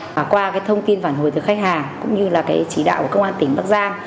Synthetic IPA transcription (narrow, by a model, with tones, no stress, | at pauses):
a˨˩kwaː˧kaː˨˦jt̪ʰə˧wŋ͡mt̪i˧ənfaː˧˩nɦo˨˩jt̪ɨ˨˩xa˦˥k̟̚haː˨˩ŋkʊ̰˧˥ŋ͡mɲɨ˧laː˨˩kaː˨˦jt͡ɕi˧˩˦ɗa̰ː˧˨wku˧˩kə˧wŋ͡mʔaː˧nt̪ï˧˩ŋɓaː˦˥k̚zaː˧ŋ